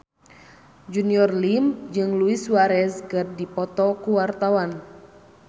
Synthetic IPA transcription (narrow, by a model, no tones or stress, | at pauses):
d͡ʒuniɔrlimd͡ʒɨŋluiswaɾɛskərdipɔt̪ɔkuwart̪awan